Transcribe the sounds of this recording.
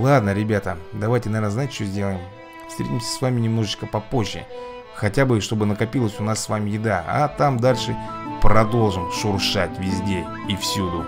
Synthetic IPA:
lˠad̪nəɾʲɪbʲat̪əd̪ɐvajtʲɪnɐvʲernəzajɪtʲt͡ɕozʲdʲe̞lˠəjɪm | fst̪ɾʲetʲɪmʲsʲə̥svamʲɪnʲɪmno̞ʐɨt͡ɕkəpɐpo̞ʑːɪ̰ | xɐtʲabɨʂt̪o̞bɨnəkɐpʲilˠəsʲʊnasːvamʲɪjɪd̪aa̰t̪amd̪alʲʂɨpɾɐd̪o̞lˠʐɨmʂʊrʂatʲvʲɪzʲdʲe | ifsʲud̪ʊ

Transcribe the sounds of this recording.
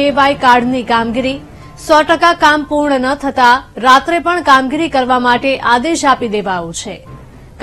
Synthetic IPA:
eʋaikaɾɖnikamɡiɾi | sɔʈəkakampuɾɳənət̪ʰət̪aɾat̪ɾepəɳkamɡiɾikəɾʋamaʈeʔad̪eʃapid̪eʋaũt͡ʃʰe | k

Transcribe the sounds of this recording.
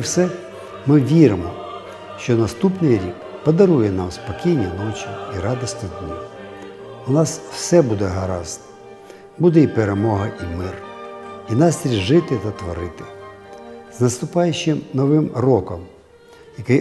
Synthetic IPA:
wsɛ | mɪʋʲiɾɪmɔ | ʃt͡ʃɔnɐst̪upnɪjɾʲik | pɔd̪ɐɾujɛnɑmspɔkʲijnʲːɐnɔt͡ʃʲiiɾɑd̪ɔsnɪd̪nʲi | ʊnɑsw̥sɛbud̪ɛɦɐɾɑ̰znɔ | bud̪ɛipeɾemɔɦɐʔimɪrinɑsʲt̪ʲɾʲiʒɪt̪ɪt̪ɐt̪ʋɔɾɪt̪ɪ̥ | znɐst̪ʊpɑjʊʃɪmnɔʋɪmrɔkɔm | jɐkɪj

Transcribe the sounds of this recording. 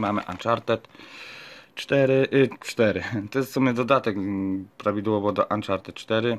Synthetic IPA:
mamɘ̰ʔa̰nt͡ʂaɾt̪ɛt̪ | t͡ʂt̪ɛɾɘʔit͡ʂt̪ɛɾɘt̪ɛsumɘd̪ɔd̪at̪ɛkpɾavʲid̪wɔvɔd̪ɔʔant͡ʂaɾt̪ɛt̪̚t͡ʂt̪ɛɾɘ

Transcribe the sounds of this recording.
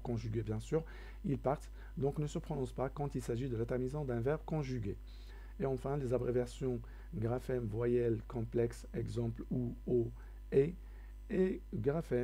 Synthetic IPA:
kɔ̃ʒyɡʲebjɛ̃syːʁ | ilpaʁt̪ | d̪ɔ̃knəsəpχɔnɔ̃spakɑ̃t̪ilsaʒid̪əlat̪ɛʁmizɑ̃d̪ɛ̃vɛʁbkɔ̃ʒyɡʲe | eɑ̃fɛ̃lezabʁevɛʁsjɔ̃ | ɡʁafɛmvwajɛlkɔ̃plɛksɛɡzɑ̃pluo | e | eɡʁafɛ

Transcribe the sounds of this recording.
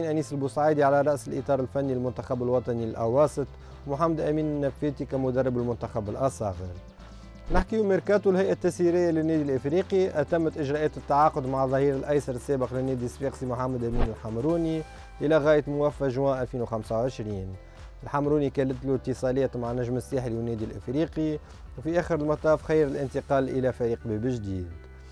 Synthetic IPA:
iːnʔæniːsəlbusˤʕajd̪iʕalæɾˤɑʔsɪlʔit̪ˤɑːɾˤɪlfænːilmʊnt̪axabɪlwɑt̪ˤɑnilʔa̰wɑːsˤɨt̪ˤ | mʊħamːæd̪ʔæmiːnnːæfːæːt̪ikæmʊd̪ɑrˤːɑbəlmʊnt̪axabɪlʔɑsˤɑ̰ːɣəɾ | nɪħkiwmɪɾkæt̪ulhæjʔat̪ːæsiɾɪjːalɪnːɛːd̪ilʔəfɾiːqiʔæt̪æmːæt̪ʔɪʒɾˤɑːʔæːt̪ɪt̪ːaʕɑːqʊd̪maʕðˤɑhiːɾɪlʔæjsɑɾˤəsːæːbəqlɪnːæːd̪isbiːqsimʊħamːæd̪ʔæmiːnɪlħamɾuːni | ʔɪlæɣæːjət̪mʊwæfːæʒwaːʔælfiːnwxamsawʕɪʃɾiːn | ɪlħamɾuːnikæːlət̪lut̪ːəsˤɑlɛːt̪maʕnːæʒməsːæːħliwɪnːɛːd̪ilʔɪ̰fɾiːqi | wfiʔæːxəɾəlmɑt̪ˤɑːfxajːəɾɪlʔɪnt̪əqɑːlʔəlæfæɾiːqbæːbɪʒd̪iːd̪

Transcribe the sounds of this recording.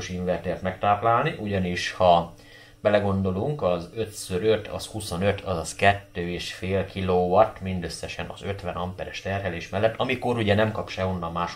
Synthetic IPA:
oʃiɱvɛrt̪eːrt̪mɛk̚t̪aːplaːlniʔuɟɒniʃhɒ | b̥ɛlɛɡo̞nd̪o̞luŋkɒzø̞t̪søɾøt̪ʰɒ̰shuso̞nø̞t̪ʰɒzɒskɛt̪ːøːeːʃfeːlkiloːʋɒt̪mind̪øsːɛʃɛnɒ̰zø̞t̪ʋɛnɒmpɛɾɛʃt̪ɛrɦɛleːʃmɛlːɛt̪ːɒmiko̞ɾuɟɛnɛmkɒpʃɛɦonːɒlmaːʃ

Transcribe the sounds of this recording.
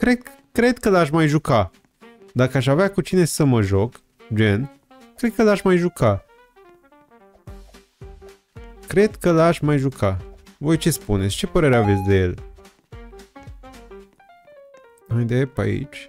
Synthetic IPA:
kɾed̪ | kɾe̞d̪kəlaʃ̬ʲmajʒuka | d̪akəaʃ̬aveakut͡ʃine̞səməʒo̞k | d͡ʒe̞n | kːɾe̞d̪̚kəlaʃmajʒukʰa | kɾe̞d̪kəlaʃʲmajʒukʰavo̞jt͡ʃe̞spunetsʲt͡ʃe̞pəɾe̞ɾeave̞t̪sʲd̪e̞je̞̰l | ajd̪epa̰ḭt͡ʃʲ

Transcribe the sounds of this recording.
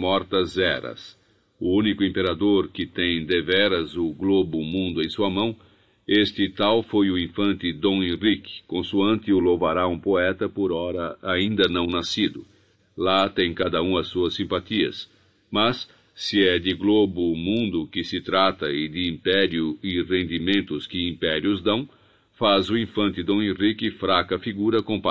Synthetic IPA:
mɔɾt̪ɐzɛɾɐ̰s | ʊũnikʊĩmpeɾad̪oɾkɪt̪ẽj̃d̪evɛɾɐzʊɡlobʊmũnd̪ʊẽj̃suɐmɐ̃w̃ | est̪ɪt̪awfojʊĩfɐ̃nt̪ɪd̪õẽʁikɪ̥kõsuɐ̃nt̪ɪʊlovaɾaũpoɛt̪ɐpoɾɔɾɐaĩnd̪ɐnɐ̃w̃nasid̪ʊ | lat̪ẽj̃kad̪ɐũɐsːuɐsːĩmpat̪iɐ̰s | mɐsː | ɪɛd̪ɪɡlobʊmũnd̪ʊkɪsɪt̪ɾat̪ɐɪd̪ɪĩmpɛɾjʊɪʁẽnd̪imẽnt̪ʊskɪĩmpɛɾiʊzd̪ɐ̃w̃ | fazʊĩfɐ̃nt̪ɪd̪õw̃ẽʁikɪfɾakɐfiɡuɾɐkõpa

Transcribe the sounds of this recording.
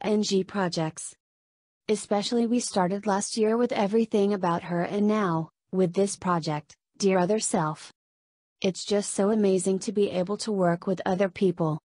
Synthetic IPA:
ʔɛ̃nd͡ʒipʰɹ̥ɑd͡ʒɛk̚ts | ɨspɛʃl̩ˠiwistɑɹɾɨdˡlæst̚jɪɹwɨðɛvɹiθɪ̃ŋɨbaʊt̚hə˞ʔɨ̃nːaʊ | wɪðɪspʰɹ̥ɑd͡ʒɛk̚t | d̥ɪɹðə˞sɛlˠf | ʔɨtsd̥ʒ̥ʌstsoʊɨmeɪzɪ̃ŋtʰɨbiʔeɪbl̩ˠtʰəwɜ˞kwɨðʌðə˞pʰipl̩ˠ

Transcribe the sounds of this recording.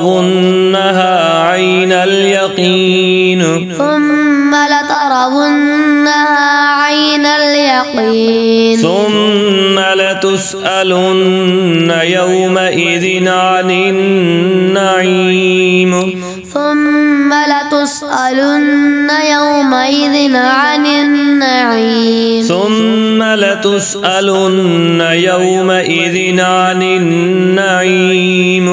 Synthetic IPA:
ðʊnːaɦaːʕajnaljɑqin | θʊmːalɪt̪ɑɾˤɑðʊnːahaːʕajnaljɑqiːnθʊmːalat̪ʊsʔalʊnːajawmaʔɪðɪnʕanɪnː | aʕim | θʊmːalɪt̪ʊsʔalʊnːajawmaʔɪðɪnʕanɪnːaʕiːmθʊmːalɪt̪ʊsʔalʊ | nː | ajɐw | maʔɪðɪnanɪnː | aʕiːm

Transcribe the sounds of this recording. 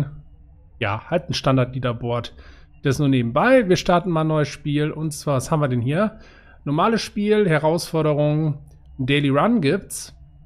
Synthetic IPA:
ja̰ːhaltn̩ʃtandaɐtliːdɐboɐt | d̥ɛɪsnuːɐneːb̚m̩baɪviːɐʃtaɐtn̩maːnɔʏəsʃpiːlʔʊntt͡sv̥aːɐvashaːmviɐdɛnɦiːɐ | nɔɐmaːləsʃpiːlhɛɐʁaʊsfɔɐɾəʁ̞ʊŋən | d̥eɪliʁanɡiːpts

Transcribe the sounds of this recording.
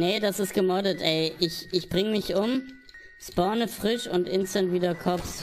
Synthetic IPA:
nədasɪst̚ɡ̥əmɔɐdətʔɛɪʔɪçɪçb̥ʁɪŋəmɪçʔʊm | spɔɐnəfʁ̥ɪʃʊ̰ntʔɪnstəntv̥iːdɐkʰɔp͡fs

